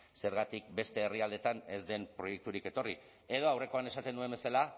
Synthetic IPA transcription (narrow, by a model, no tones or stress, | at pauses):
se̞ɾɣat̪ik̚be̞st̪e̞ːriald̪e̞t̪ane̞zd̪e̞mpɾo̞je̞k̚t̪uɾike̞t̪o̞ri | e̞ð̞o̞awre̞ko̞anesat̪e̞nue̞mbe̞sala